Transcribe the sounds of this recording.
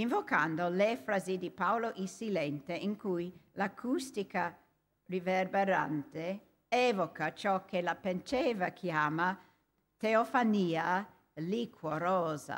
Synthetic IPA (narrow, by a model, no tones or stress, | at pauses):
iɱvokand̪olefɾazid̪ipawloʔisilɛnt̪eʔiŋkujlakʰust̪ika | riverbeɾa̰nt̪e | ɛːvokat͡ʃɔkːelapent͡ʃɛːvakʰjaːma | t̪eofaniːa | likʰwoɾɔːza̰